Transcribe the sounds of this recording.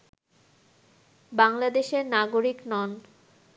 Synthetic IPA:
baŋlad̪eʃeɾnaɡoɾiknɔn

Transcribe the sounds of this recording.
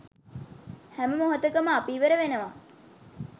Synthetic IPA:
hæməmoɦət̪əkəməapiːʋəɾəʋenəʋa

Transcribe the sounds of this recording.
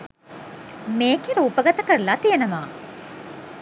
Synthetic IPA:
meːkiɾəupəɡat̪əkəɾəlat̪ijənəmaː

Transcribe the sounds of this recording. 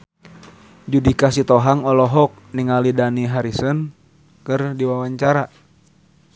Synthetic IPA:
d͡ʒudikasit̪ɔɦaŋɔlɔɦɔk̚niŋalidaniɦaɾisən | kɨrdiwawaɲt͡ʃaɾa

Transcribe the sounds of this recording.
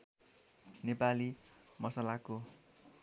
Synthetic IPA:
nepalimʌsalako

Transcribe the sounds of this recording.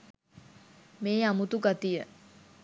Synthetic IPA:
meːamut̪uɡat̪ijə

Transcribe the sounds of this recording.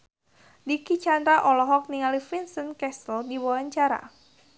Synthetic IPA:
dikit͡ʃand̪ɾaʔɔlɔɦɔk̚niŋalifinsənkɛsəldiwɔlaɲt͡ʃaɾa̰

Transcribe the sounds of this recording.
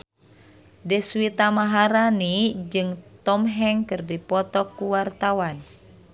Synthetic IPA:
dɛswit̪amaɦaɾanid͡ʒɨŋt̪ɔmɦɛŋkɨrdipɔt̪ɔkːuwart̪awan

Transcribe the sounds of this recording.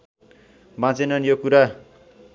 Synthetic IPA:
bãt͡senʌnjokuɾa

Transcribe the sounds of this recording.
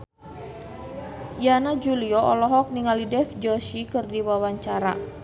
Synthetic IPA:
janad͡ʒuliɔʔɔlɔɦɔk̚niŋalidɛfd͡ʒɔsikɨrdiwawaɲt͡ʃaɾa̰

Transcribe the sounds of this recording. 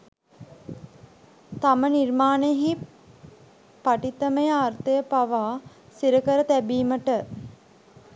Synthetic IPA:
t̪amənirmaːneɦi | paʈit̪əməjəart̪əjəpaʋaː | siɾəkəɾət̪æbiːməʈə

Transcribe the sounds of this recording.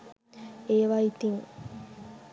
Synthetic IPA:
eːʋait̪iŋ

